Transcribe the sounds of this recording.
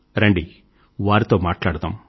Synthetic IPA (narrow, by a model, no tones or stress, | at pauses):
ɾɐɳɖi | ʋaːɾit̪o̞ːmaːʈlaːɽd̪aːm